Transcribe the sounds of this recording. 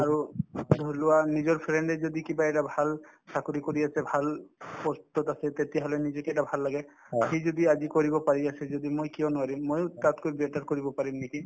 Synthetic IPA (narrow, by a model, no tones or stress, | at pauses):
aɹudʱɔlʊanizɔɹpʰɹɛɳɖɛzɔd̪ikibaɛtabʱalsakuɹikɔɹiasɛbʱalpɔst̪ɔtasɛt̪etiaɦɔlɛnizɔkɛʈabʱalːaɡɛ | xejzɔd̪iazikɔɹibɔpaɹiasɛzɔd̪imojkijɔnʊaɹimːojtatkojbetaɹkɔɹibɔpaɹimneki